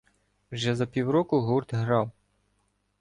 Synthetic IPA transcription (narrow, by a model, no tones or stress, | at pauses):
wʒɛzɐpʲiwɾɔkʊɦurd̪ɦɾɑw